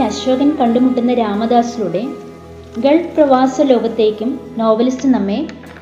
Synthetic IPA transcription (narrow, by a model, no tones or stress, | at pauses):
ɐɕʋɐɡɐnkɐɳɖumuʈːunːɐɾaːmɐd̪aːsiluɽe̞ | ɡeɭprɐʋaːsɐlo̞ːɡɐt̪ːe̞ːkʲːumno̞ːʋɐlistɨnɐmːe